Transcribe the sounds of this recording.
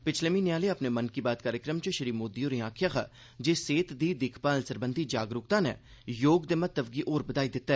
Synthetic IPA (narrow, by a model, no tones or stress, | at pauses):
pɪt͡ʃʰleːmiːneaːleːəpneːmənkiːbaːt̪̚kaːɾjɪkɾəmt͡ʃəʃəɾiːmoːd̪ijoːɾĩːãːkʰjaːkʰa̰ː | d͡ʒeːseːt̪d̪iːd̪ɪkʰpaːnsəɾbənd̪ʱiːd͡ʒaːɡɾʊk̚t̪ãːnɛ̰ːjoːɡd̪eːmət̪ːəb̚ɡiːʔoːɾbəd̪aːiːd̪ɪt̪ːɛː